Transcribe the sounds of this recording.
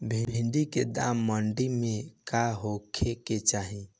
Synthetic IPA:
bʱĩbʱĩɳɖiked̪a̰ːmːəɳɖimẽkaɦokʰeket͡ʃaːɦĩ

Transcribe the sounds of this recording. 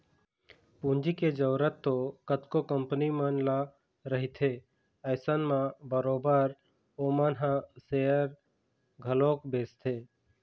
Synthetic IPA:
pũnd͡ʒiked͡ʒəːɾət̪ːokət̪kokəmpənimənla | ɾəɦit̪ʰe | əɪsənmãbəɾoːbəɾ | oːmənɦãseəɾ | ɡʱəloːkbeːst̪ʰeː

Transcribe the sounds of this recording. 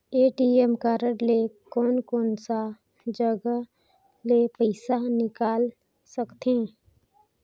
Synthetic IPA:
eːʈiemkaːɾəɽlekɔːnkɔːnsa | d͡ʒəɡə | lepəɪsanɪkaːl | səkt̪ẽː

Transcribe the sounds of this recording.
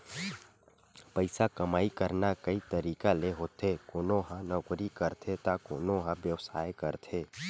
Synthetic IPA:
pəɪsakəmaːikəɾnakəit̪əɾiːkaleɦoːt̪ʰekoːnõɦãnɔɡɾikəɾt̪ʰet̪akoːnõɦãbjəwsaːekəɾt̪ʰeː

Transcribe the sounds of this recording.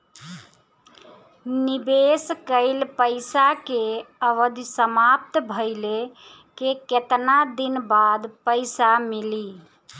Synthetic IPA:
nibeskəɪlpəɪsakeəʋəd̪ʱsəmap̚t̪bʱəɪle | keket̪nad̪inbad̪pəɪsamili

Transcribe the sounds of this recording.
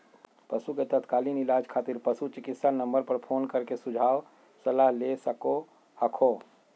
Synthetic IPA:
pəsuket̪ət̪kaːlinɪlaːd͡ʒkʰaːt̪ɪɾpəsut͡ʃɪkɪt̪sanə̃mbəɾpəɾpʰoːnkəɾkesʊd͡ʒʱaːw | səlaɦlesəko | həkʰo

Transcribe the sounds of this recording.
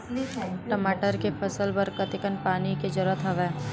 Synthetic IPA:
ʈəmaːʈəɾkepʰɐsəlbəɾkɐt̪ɪkənpaːniked͡ʒɐɾuət̪ɦɐʋɛː

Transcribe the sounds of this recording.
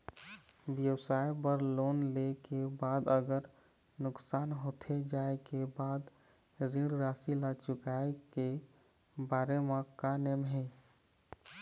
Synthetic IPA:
bjəwsajpəɾlonlekebaːd̪əɡəɾ | nʊksanɦot̪ʰed͡ʒaekebaːd̪ | ɾĩɽɾasilat͡ʃʊkaeke | baɾemakanemɦɛ

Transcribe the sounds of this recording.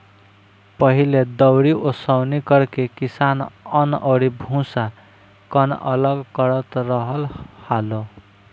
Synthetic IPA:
pʌɦiled̪ʌwɽiosʌwnikʌɾkekisanʌnʔʌɽibʱũsa | kʌnʌ̰lʌɡkʌɾʌt̪rʌɦʌlhalo

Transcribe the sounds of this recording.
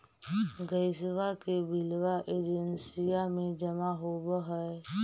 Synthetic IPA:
ɡəɪswakebɪlwaʔeːd͡ʒənsijamẽd͡ʒəmaɦobəɦɛe

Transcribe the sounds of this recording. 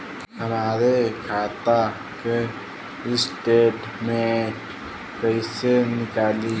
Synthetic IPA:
ɐmaːɾekʰaːt̪a | ke | ɪsʈeːʈ | mẽ | pəɪsenɪkaːli

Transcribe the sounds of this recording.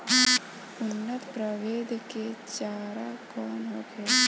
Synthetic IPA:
ʊnːət̪pɾəʋeːd̪ʱket͡ʃaːɾakɔːnɦoːkeː

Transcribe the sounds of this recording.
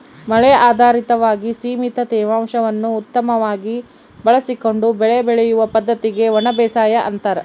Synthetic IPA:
mɐɭɛaːd̪ʱaːɾit̪ɐʋaːɡisiːmit̪ɐt̪ɛːʋaːmʃɐʋɐnːuːt̪ːɐmɐʋaːɡi | bɐɭɐsiko̞ɳɖubɛɭebɛɭɛjuʋɐpɐd̪ʱːɐt̪iɡe̞ʋɐɳɐbɛːsaːjɐʔɐ̰nt̪ɐɾɐ

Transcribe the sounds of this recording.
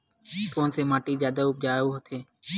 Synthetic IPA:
koːnsemaːʈizjaːd̪aʊp̚d͡ʒaːjoɦot̪ʰeː

